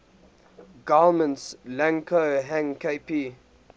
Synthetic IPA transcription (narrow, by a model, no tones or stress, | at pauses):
ɡamə̃ntslæ̃ŋkʰoɦæ̃ŋkeɪpi